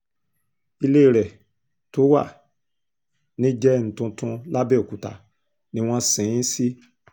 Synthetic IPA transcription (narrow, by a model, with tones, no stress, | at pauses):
i˧le˦i˦˨ɾɛ˨ | to˨˦wa̰˦˨ | nĩ˦d͡ʒɛ˦˨n̩˨tũ˧tũ˧la˦bɛ˦˨o˨ku˨ta̰˨ | nĩ˦w̃ɔ̃˦sĩ˨ĩ˦si˦